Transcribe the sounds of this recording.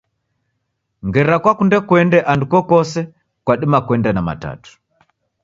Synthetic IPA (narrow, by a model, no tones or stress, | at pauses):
ŋɡɛɾakwakundɛkwɛndɛʔandukɔkɔsɛ | kwaɗimakwɛndɛnama̰ta̰tu̥